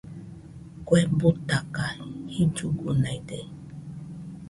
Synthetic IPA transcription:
kwebut̪akahid͡ʒuɡunãjde

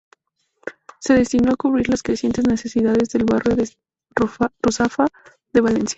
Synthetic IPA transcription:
se̞ðe̞st̪inoakuβ̞ɾiɾlaskɾesje̞nt̪ezne̞se̞siðaðe̞zðe̞lβarjoðe | rusafa | ðe̞βale̞nsja

